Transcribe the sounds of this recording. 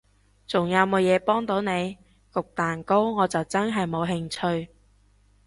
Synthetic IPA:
t͡sʊ˨˩ŋjɐ˨˧wmo˨˧wjɛː˨˧pɔː˥ŋt̪o˨˥wne˨˧j | kʊ˨k̚t̪aː˨˩nko˥wŋɔː˨˧t͡sɐ˨wt͡sɐ˥nɦɐ˨jmo˨˧wɦɪ˧ŋt͡ʃʰɵ˧ɥ

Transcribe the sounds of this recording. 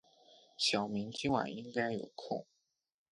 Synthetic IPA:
ɕjɑ˨˩ʊmi˧˥ŋt͡ɕi˥ŋwa̰˨˩ni˥ŋka˥ɪjo̰˨˩ʊkʰʊ̰˥˩ŋ

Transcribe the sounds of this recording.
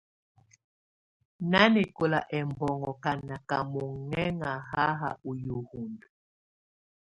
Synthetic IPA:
na˦ni˨ko˨la˨ʔɛ˨mbɔ˨ŋɔ˨ka˨na˨ka˨mu˨ŋɛ˦ŋa˨ha˦ɦa̰˨u˨ju˨hu˨mbi˨

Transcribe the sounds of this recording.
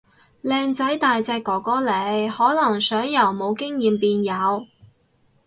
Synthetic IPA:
lɛː˧ŋt͡sɐ˨˥jt̪aː˨jt͡sɛː˧kːɔː˨˩kɔː˨˥le˨˧jhɔː˨˥lɐ˨˩ŋsœː˨˥ŋjɐ˨˩wmo˨˧wkɪ˥ŋjiː˨mpiː˧njɐ˨˧w

